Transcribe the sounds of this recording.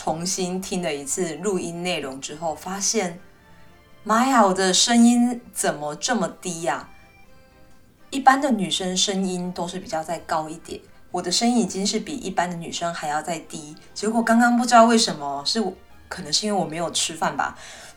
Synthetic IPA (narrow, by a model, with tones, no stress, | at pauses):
ʈ͡ʂʰʊ˧˦ŋɕi˦nt̪ʰi˥ŋd̪ə˨i˧˥t͡s̩ʰ˥˧lu˥˧i˥nne˥˩ɪɻoʊ˧˦ŋʈ͡ʂɻ̩˦xo˥˩ʊfa˥ɕjɛ˥˩n | ma˥ja˨˩wɔ˨˩d̪ə˦ʂə˥ŋi˥nt͡sə˨˩nmə˦ʈ͡ʂə˥˩mə˩t̪i˦˥ɐ˨ | i˥˩pa˦nd̪ə˨ny˨˩ʂə˥ŋʂə˦ŋi˦nt̪o˥ʊʂɻ̩˥˩pi˨˩t͡ɕjɑ˥˧ʊt͡sa˥˩ɪkɑ˥ʊi˥˩t̪jɛ̰˨˦nwɔ˨˩d̪ə˦ʂə˥ŋi˥ni˨t͡ɕi˦˥ŋʂɻ̩˥˩pi˨˩ʔḭ˥˩pa˥˦nd̪ə˨ny̰˨˩ʂə˦˥ŋxa˧˥ɪjɑ˥˧ʊt͡sa˥˩ɪt̪i˥ | t͡ɕɛ˧˥kwɔ˨˩kɑ˥ŋkɑ˥ŋp̬u˥˧ʈ͡ʂɻ̩˧˥d̪ɑ˥˧we˥˩ɪʂə˧˥nmə˧ʂɻ̩˥˩w | kʰɤ˨˩nə˧˦ʂ̩˥˧˥we˥˩wɔ˨˩me˧˥ɪjo˨˩ʊʈ͡ʂʰɻ̩˥fa˥˩nba̰˩